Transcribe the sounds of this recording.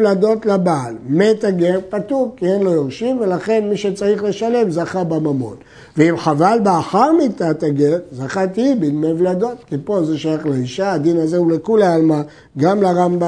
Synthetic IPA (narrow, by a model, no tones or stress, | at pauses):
lad̪o̞tlabaːlmet̪aɡe̞ʁpat̪ukienlojoʁʃimve̞laχe̞nmiʃet͡saʁiχle̞ʃale̞mzaχabamamo̞̰t | veimχavalbeaħaʁmit̪at̪aɡeʁzaχat̪iibinmevlado̞t̪kipo̞zeʃajaχleiʃaːd̪inazeulekulaalma | ɡamlaʁamba